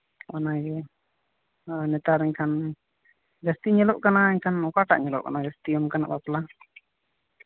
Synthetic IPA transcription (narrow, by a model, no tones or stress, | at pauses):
ʔanaɡɛ | nɛt̪aɾɛɲkʰan | d͡ʒast̪iɲɛlɔʔkanaɛɲkʰanɔkaʈa̰ʔɲɛlɔ̰ʔka̰nad͡ʒast̪iɔmkana̰ʔbapla